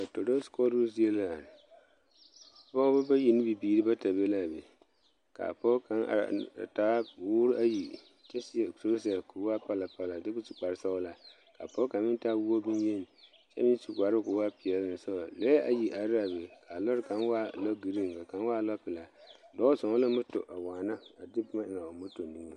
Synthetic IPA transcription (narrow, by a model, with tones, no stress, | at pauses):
a˨to˨ɾo˦skɔ˦ɾu˦zi˦e˦la˨n˨ | bɔ˦bʊ˦ba˦ji˨ni˦bi˨biː˨ɾi˦ba˦ta˨be˦la˦˨bḛ˨ | ka̰˨pɔ˦ka˦na̰˨a̰˨ta˦wʊː˦ɾʔa˦ji˨ | t͡ʃɛ˦sso˦ɾsɛ˨ku˨˦wa˦pa˦la˨pa˦la˨dɪ˦kʊ˦si˨k͡pa˨ɾsa˦la˨ | ka̰˨pɔ˦ka˨nmɪ˦nta˦wu˦o˦bi˦nje˦˨n˨ | t͡ʃɛ̰˦mɪ˦n˦ti˨ka˨ɾɪ˦kʊ˨˦wa˦pɪ˨ɛ˨lɪ˦˨n˨sɔ˦a˨lɛ˦ʔa̰˨ji˨ʔa˨ɾa˦˨be˨kʰa˨lɔ˦ɾka˨˦nwa˦˨lɔ˦ɡi˨ɾi˦˨ŋ˨ka˨ka˨n˦wa˦˨lɔ˦pɪ˨la˨dɔ˦sɔ˨ŋɔ˦la˦mʊ˦tɔ̰˨ʔa˨waː˨na˦a˨dɪ˦pʊ˦ma˦ʔɪ˨ŋa˨a˨mʊ˦to˨ni˦ŋo˨